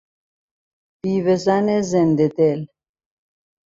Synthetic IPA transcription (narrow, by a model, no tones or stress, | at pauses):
pivɛzanɛzɛnd̪ɛd̪ɛl